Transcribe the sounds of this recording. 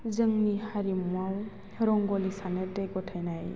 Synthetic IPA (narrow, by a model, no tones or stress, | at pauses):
zəŋnihaɾimuaw | ɾɔŋɡɔlisaneteɡɔtʰajnaj